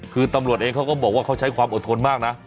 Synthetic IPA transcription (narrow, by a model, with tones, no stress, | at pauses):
kʰɯː˧t̪a˧mɾu˨˩ət̪̚ʔeː˧ŋkʰwkɔː˥˩bɔː˨˩k̚waː˥˩ka˦˥˩t͡ɕʰa˦˥jkʰwaː˧mʔo˨˩t̪ʰo˧nmaː˥˩k̚na˦˥ʔ